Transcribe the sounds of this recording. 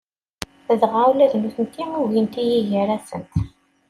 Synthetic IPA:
θəðʁawlæðnuθənt̪ːimuɣint̪ijiʝəɾæsənt̪

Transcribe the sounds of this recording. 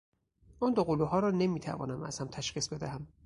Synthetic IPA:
ʔuːnd̪oɣoluɦɒːɾɒːne̞miːt̪ʰæ̰vɒ̰ːnæmæ̰z̥hæmt̪ʰæʃχiːsbe̞d̪æɦæm

